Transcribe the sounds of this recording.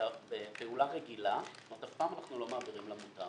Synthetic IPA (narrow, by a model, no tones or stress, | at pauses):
abepeulaʁeɡilamat̪afpaːmanaχnulo̞maːbiʁimlamuta